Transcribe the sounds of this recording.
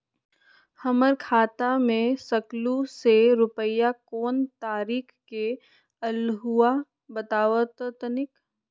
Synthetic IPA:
hɐməɾkʰaːt̪amẽsəkluseɾʊpəjakoːnt̪aːɾiːkʰke | ɐlɦua | bət̪aːʋət̪t̪nɪk

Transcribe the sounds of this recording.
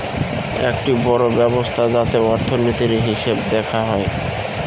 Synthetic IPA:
ḛkʈibɔɾobɛbost̪ʰad͡ʑat̪eɔɾt̪ʰonit̪iɾɦiʃebd̪ɛkʰaɦɔe

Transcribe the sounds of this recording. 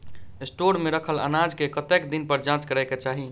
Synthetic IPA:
esʈoɾmeɾəkʰələ̰nad͡ʒkekət̪ekd̪inpəɾd͡ʒãt͡ʃkəɾɛket͡ʃaɦi

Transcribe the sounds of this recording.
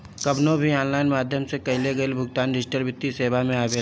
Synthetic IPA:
kɐbnõbʱiaːnlaːɪnmaːd̪ʱjəmsekɐɪleɡɐelbʱʊɡt̪aːnɖɪsʈəɾbɪt̪ːiseːʋamẽaːbeː

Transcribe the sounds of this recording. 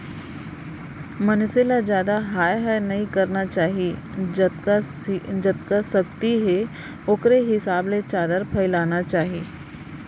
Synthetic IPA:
mɐnselad͡ʒjaːd̪aɦaːjɦɛnɐɦĩkɐɾnat͡ʃaːɦie | d͡ʒət̪kasɐk̚t̪iɦɛ | ʊkɾeɦɪsaːblet͡ʃaːd̪əɾpʰɐɪlaːnat͡ʃaːɦieː

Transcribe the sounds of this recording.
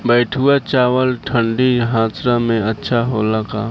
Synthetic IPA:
bɛːʈʰuat͡ʃaːʋəlʈʰə̃ɳɖiɦãːsɾamẽɐtːʃʰaɦoːlakaː

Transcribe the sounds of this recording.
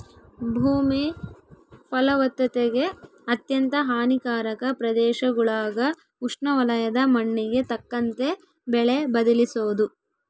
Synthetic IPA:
bʱuːmi | pɐlɐʋɐt̪ːɐt̪eɡe̞ | ɐt̪jɐnt̪ɐɦaːnikaːɾɐkɐpɾɐd̪ɛːʃɐɡɐɭaːɡɐ | uʂɳɐʋɐlɐjɐd̪ɐmɐɳːiɡe̞t̪ɐkːɐnt̪e̞ | bɛɭebɐd̪ɐlisoːd̪u

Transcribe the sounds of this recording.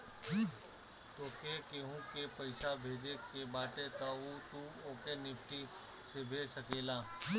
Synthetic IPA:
t̪oːkekeɦũkepɐɪʃabʱeːd͡ʒekebaːʈet̪aːut̪uoːkenɪpʈi | sebʱeːsəkeːlaː

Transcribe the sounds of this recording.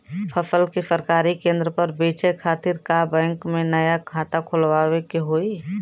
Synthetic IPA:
pʰəsəlkisəɾkaːɾikẽːnd̪ɾəpəɾbeːt͡ʃekʰaːt̪iɾkabɛ̃ːŋkmẽnəjakʰaːt̪akʰolʋawekeɦoːi

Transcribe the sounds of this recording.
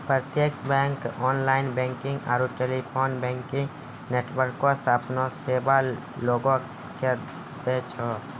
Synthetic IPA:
pɾət̪jekbɛ̃ːŋkɔːnlaːɪnbɛ̃ːŋkɪ̃ŋɡa̰ːɾuʈeːlipʰoːnbɛ̃ːŋkɪ̃ŋ | neːʈwəɾkːosapnoseːba | loːɡõ | ke | d̪et͡ʃʰɔ

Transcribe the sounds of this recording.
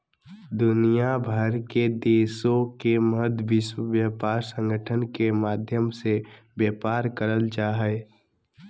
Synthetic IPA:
d̪ʊnijabʱəɾked̪eːsõkeməd̪ʋɪswəʋjapaːɾsə̃ŋɡəʈʰənkemaːd̪ʱjəmse | bjɛːpaːɾkəɾəlt͡ʃaːɦɛ

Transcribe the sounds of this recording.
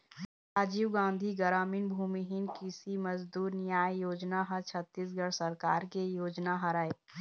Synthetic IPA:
aːd͡ʒiːwɡãːnd̪ʱiɡəɾaːmiːnbʱuːmiɦɪnkɪsimɐzd̪uːɾnɪjaːjjoːd͡ʒnaɦɐ̃t͡ʃʰɐt̪ːis̬ɡəɽsɐɾkaːɾkejoːd͡ʒnaɦɐɾaːe

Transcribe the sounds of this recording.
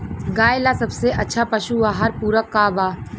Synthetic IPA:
ɡaːelasɐbseʔɐtːʃʰapəʃuaːɦɐɾpuːɾəkːaːʋaː

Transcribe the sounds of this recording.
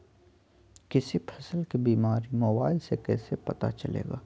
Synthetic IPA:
kɪsipʰɐsəlkebiːmaːɾimoːbaːɪlsekɛ̰ːsepɐt̪a̰t͡ʃɐlḛːɡa̰ː

